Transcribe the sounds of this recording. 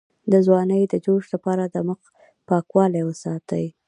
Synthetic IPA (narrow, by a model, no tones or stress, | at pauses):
d̪əzwɑnəjd̪əd͡ʒoʃlapɑɾad̪əməq | pɑkwɑlejwəsɑt̪əj